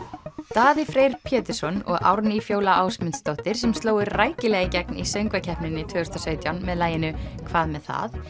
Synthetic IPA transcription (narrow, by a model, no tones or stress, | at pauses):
t̪aːðɪfɾejɾ̥pʰjɛːt̪ɪɾ̥sɔnɔ̰ɣʔa̰wɾnifjoːwlaawsmɪnt̪st̪owht̪ɪɾ̥sɛmst̪loːwɪɾraːjcɪlɛːɣɪcɛk̚nisœɥŋkvacʰɛhpnɪnːɪt̪ʰvœːʏ̥st̪asœːɥt̪jawnmɛðlaːjɪnʏkʰvaːðmɛðθa̰θ